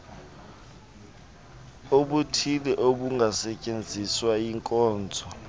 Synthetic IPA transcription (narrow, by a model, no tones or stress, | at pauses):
oɓutʰilɛʔoɓuŋɡʱasɛcʼend͡zʱiswajiŋkʼɔːnd͡zʱɔ